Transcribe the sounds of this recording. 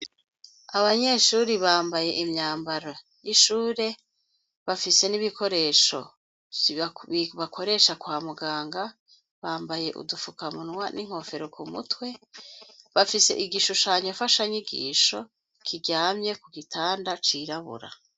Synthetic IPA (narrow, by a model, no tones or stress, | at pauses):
aβaɲe̞ʃuːɾiβaːmbaje̞ʔimɲaːmbaɾo̞ | jiʃuːɾe̞ | βafise̞niβiko̞ɾe̞ʃo̞̰ | iβakʰo̞ɾe̞ʃakwaːmuɡaːŋɡa | βaːmbaje̞ʔṵdufukamunŋwaniŋ̥ho̞fe̞ɾo̞kumutwe̞ | βafise̞̰ʔiɡiʃuʃaɲofaʃaɲiɡḭːʃo̞ | kʰiɟaːmɲe̞kuɡitʰaːndat͡ʃiɾaβṵɾa̰